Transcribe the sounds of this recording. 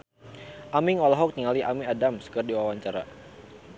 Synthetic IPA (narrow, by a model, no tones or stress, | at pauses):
ʔamiŋɔlɔɦɔk̚niŋaliʔamiadamsə̥kərdiwawaɲt͡ʃaɾa̰